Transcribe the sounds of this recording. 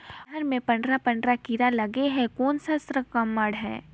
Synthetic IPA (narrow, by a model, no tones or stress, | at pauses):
əɾmẽpɐ̃ɳɖɾapə̃ɳɖɾakiɾalɐɡeɦɛ̃kɔːnsasɾəkəmːəɽɦɛ̰̃ː